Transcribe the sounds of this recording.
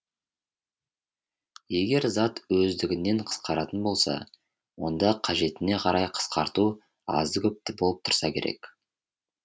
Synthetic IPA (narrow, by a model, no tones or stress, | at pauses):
je̞ɡʲe̞ɾzɑt̪wɵzd̪ɪɡʲɪnːe̞ɴqʰə̥sqɑɾɑt̪ənbo̞lˠsɑ̰ | wo̞nd̪ɑqʰɑʒe̞t̪ɪne̞qʰɑɾɑjqʰə̥sqɑɾt̪u | ɑ̰zəkʲʰɵp̚t̪ɪbo̞lˠəp̚t̪ʰʊ̥ɾsɑkʲʰe̞̰ɾe̞̰k